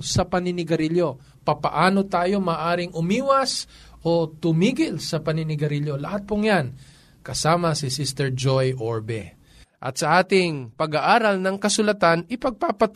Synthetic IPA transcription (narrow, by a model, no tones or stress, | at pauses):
sɐpɐnɪnɪɡɐɾɪljo̞ | pɐpɐʔaːno̞t̪aːjo̞maːʔaːɾɪŋʔʊmiːwɐs | ʔot̪ʊmiːɡɪlsɐpɐnɪnɪɡɐɾɪljo̞lɐhat̪̚poŋjan | kɐsaːmɐsɪsist̪ɛɹd͡ʒojʔoɹbɛ | ʔɐ̰t̪̚sɐʔaːt̪ɪŋpɐɡaʔaːɾɐlnɐŋkɐsʊlɐt̪anɪpɐɡ̚paːpɐt̪